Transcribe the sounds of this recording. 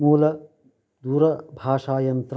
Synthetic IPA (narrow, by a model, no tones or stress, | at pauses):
muːlɐ | d̪uːɾɐbʱaːʂaːjɐnt̪ɾ